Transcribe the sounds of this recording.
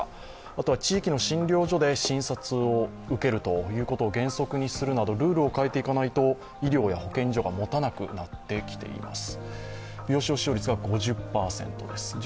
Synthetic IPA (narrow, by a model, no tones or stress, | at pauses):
at̪o̞βat͡ɕiːkʲino̞ɕĩnɾʲo̞ːʑo̞d̪e̞ɕĩɰ̃sat͡sɨo | ɯ̟ke̞ɾɯ̟t̪o̞jɯ̟ːko̞t̪o̞ːɡẽ̞ɰ̃so̞kɯ̟ɲ̟isɨɾɯ̟nad̪o̞ɾɯ̟ːɾɯ̟o̞kae̞t̪e̞ikanait̪o̞ | iɾʲjo̞ːjaho̞kẽ̞ɲ̟d͡ʑo̞ɡamo̞t̪anakɯ̟̰nat̪ːe̞kʲi̥t̪e̞̰ḭma̰sɨ̥bʲjo̞ːɕio̞ɕio̞ːɾʲit͡sɨɡaɡo̞ʑɨpːaːsẽ̞̰nt̪o̞d̪e̞sɨ̥